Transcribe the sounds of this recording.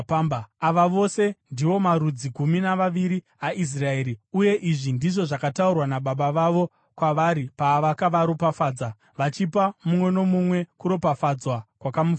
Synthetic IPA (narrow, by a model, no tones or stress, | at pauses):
pambaaʋaʋo̞se̞ndiʋo̞maɾud͡ziɡʱuminaʋaʋiɾi | aʔis̬rae̞ːɾiuje̞ʔiʐindiʐo̞ʐakataurwanaɓaɓaʋaʋo̞ | kwaʋaɾipaːʋakaʋaɾopafaːd͡za | ʋat͡ʃipamumwe̞no̞mumwe̞kuɾo̞pafad͡zwakwakamuf